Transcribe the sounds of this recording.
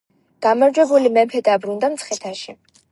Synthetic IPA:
ɡ̥amaɾd͡ʒwɛbulimɛmpʰɛd̪abɾund̪amt̪sʰχɛt̪ʰaʃi

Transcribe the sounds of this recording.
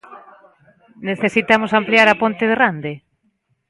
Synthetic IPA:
neθesit̪amosampliaɾapont̪eðerand̪e

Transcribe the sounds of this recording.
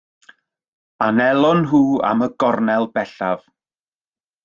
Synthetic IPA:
anɛlˠɔnɦuːa̰məɡɔrnɛlˠbɛɬav̥

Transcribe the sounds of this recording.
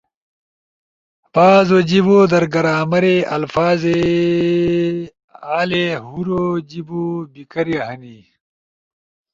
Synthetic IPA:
paːzod͡ʑiboːd̪ɐɾɡɐɾaːmɐɾeʔɐ̰lfaːze | aːlehuɾod͡ʑibubikɐɾjɐhɐni

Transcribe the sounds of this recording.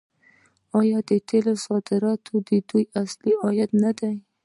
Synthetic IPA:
ɑjɑd̪et̪ʰelosɑd̪ɪɾɑt̪ʰod̪ɪd̪ujasliɑjat̪nad̪aj

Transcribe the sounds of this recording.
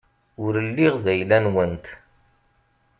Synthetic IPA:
ʊɾəlːiʁðæjlænwənt̪

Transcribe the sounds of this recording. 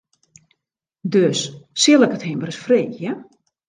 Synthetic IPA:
døssɪlˠəkətɦembərəsfreːjə

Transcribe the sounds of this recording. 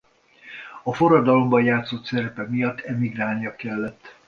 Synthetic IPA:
ɒfo̞rɒd̪ɒlo̞mbɒjaːt̪sot̪sɛɾɛpɛmijɒt̪ːɛmiɡraːlnijɒkɛlːɛt̪ː

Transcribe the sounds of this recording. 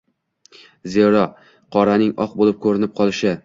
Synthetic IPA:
zeɾɒ | qʰɒɾanɪŋɒq̚bolˠɪp̚kʰɵɾɪnɪp̚qʰɒlˠɪʃɪ

